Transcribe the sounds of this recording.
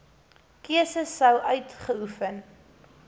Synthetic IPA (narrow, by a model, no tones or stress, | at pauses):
kiəsəsːəwʔœɥtχəufən